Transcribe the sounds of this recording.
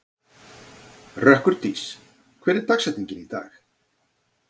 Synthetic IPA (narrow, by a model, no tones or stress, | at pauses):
rœhkʏɾ̥t̪iːs | kʰvɛːɾɛɾ̥t̪aksɛjt̪nĩɲcɪnit̪a̰ːx